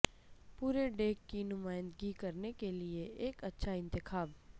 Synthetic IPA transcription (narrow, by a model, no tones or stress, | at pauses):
puːɾeɖeːkːinʊmaːɪ̃nd̪ɡikɐɾnekelieʔeːkɐtːʃʰaɪ̃nt̪ɪxʰaːb